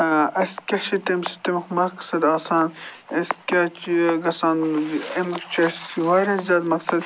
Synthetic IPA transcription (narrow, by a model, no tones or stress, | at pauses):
ɐskʲɐʃit̪emsi̥t̪emɐxmɐksɐd̪aːsaːnɐskʲɐt͡ʃɡɐsaːnɐmɐkt͡ʃʰɐiʋaːɾɐszʲaːd̪mɐksɐd̪